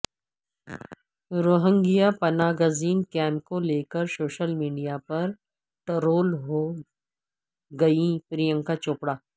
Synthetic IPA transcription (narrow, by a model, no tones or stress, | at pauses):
ɾoːɦə̃ŋɡijapɐnaːɡəziːnkɛ̃ːmp̚koleːkəɾsoːʃəlmiːɖijapɐɾ | ʈəɾoːlɦo | ɡɐĩpɾijə̃ŋkat͡ʃoːpɽaː